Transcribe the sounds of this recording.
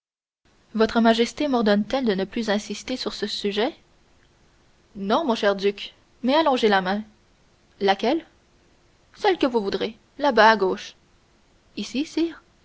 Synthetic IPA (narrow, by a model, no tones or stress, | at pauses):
vɔt̪χəmaʒɛst̪emɔʁd̪ɔnt̪ɛld̪ənəplyzɛ̃sist̪esyʁsəsyʒɛ | nɔ̃mɔ̃ʃɛʁd̪yk | mɛalɔ̃ʒelamɛ̃ | lakʲɛl | sɛlkəvuvud̪ʁe | labaːɡoːʃ | isisiːʁ